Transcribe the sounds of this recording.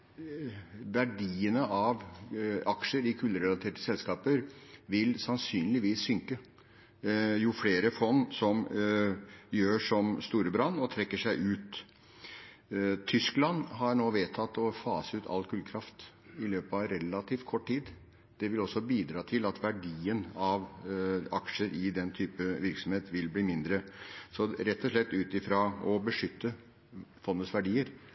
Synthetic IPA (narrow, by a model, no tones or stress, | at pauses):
ʋæɖiːənəʔɑʋɑkʂəɾɪkʰʉlːəɾɛlɑt̪ʰeːʈə̥sɛlskɑːpəɾʋɪlsɑnsyːnlɪʋiːsːʏŋkə | jʊfleːɾəfɔnːsɔm | jøːʂɔmst̪uːɾəbɾɑnːɔt̪ʰɾɛkːəʂæɪʔʉːt̪ | t̪ʰʏsklɑnɦɑɳoːʋeːt̪ʰɑt̪ːɔfɑːsəʉːt̪ʰɑ̰lkʰʉːlkʰɾɑft̪ | ɪløːpəɑʋɾɛlɑt̪ʰiːft̪kʰɔʈːʈiːd̪ | d̪̥ɛʋɪlɔsːɔbiːd̪ɾɑːt̪ʰɪlɑt̪ʋæɖiːənɑʋɑkʂəɾʔɪd̪ɛnt̪ʰyːpəʋɪɾksɔm̩heːt̪ʋɪlbliːmɪnd̪ɾəsɔɾɛt̪ːɔʂlɛt̪ːʉːt̪ɪfɾɑɔbəʂʏt̪ːə | fɔnːəsʋæɖiːəɾ